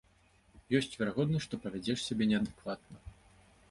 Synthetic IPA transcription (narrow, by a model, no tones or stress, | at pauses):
jɔsʲt͡sʲvʲɛɾaɣɔd̪nɐʂt̪ɔpɐvʲad͡zʲɛʂsʲabʲɛnʲɛɐd̪ɨkvat̪nɐ